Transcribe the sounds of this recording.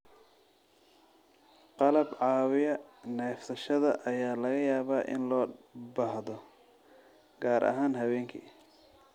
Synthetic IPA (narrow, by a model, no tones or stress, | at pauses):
qɑlɐbʕɑːwɪjɐnɛːfsɐʃɐðɐʔɐjaːlɐɣɐjaːβaːʔɪ̰nlɔːbɐhðɔ | ɡaːɾʔɐ̰ɦaːnɦɐwɛːŋkʰḭː